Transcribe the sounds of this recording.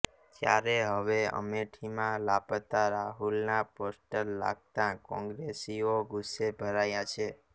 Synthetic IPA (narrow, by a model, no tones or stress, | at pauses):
t̪ja̰ɾeɦəʋeə̰meʈʰimãlapət̪aɾaɦulnaposʈəɾla̰ɡ̚t̪ãkɔ̃ŋɡɾesioɡusːebʱəɾajat͡ʃʰe